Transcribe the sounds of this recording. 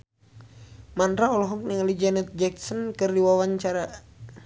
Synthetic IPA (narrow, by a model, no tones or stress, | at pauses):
mand̪ɾaɔlɔɦɔk̚niŋalid͡ʒanɛt̪̚d͡ʒɛksɔnkɨrdiwawaɲt͡ʃaɾa